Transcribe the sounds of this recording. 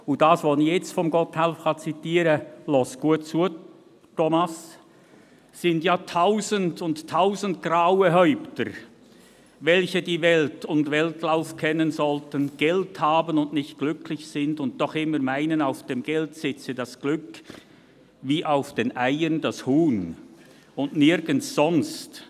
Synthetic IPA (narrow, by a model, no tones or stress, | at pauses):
ʊdasvɔlənɪçjɛt͡stfɔmɡɔthɛlfχɑt͡sitiːɾəlɔsɡ̥uətt͡su | tʰɔmas | sɪndjaːtʰaʊzəndʊntʰːaʊzənt̚ɡ̥raʊəɦœʏptəɾ | vɛlçədiːvɛltʊndvɛltlaʊfkʰɛnənzɔltənɡ̥ɛlthaːbənʊndnɪçt̚ɡ̥lʏkʰlɪçsɪndʊnt̚d̥ɔχɪməɾmaɪnənaʊfd̥eːmɡ̥ɛltsɪt͡sədasɡ̥lʏk | viːʔaʊfd̥eːnʔaɪəndashuːn | ʊndnɪɾɡ̥ən̩ssɔnst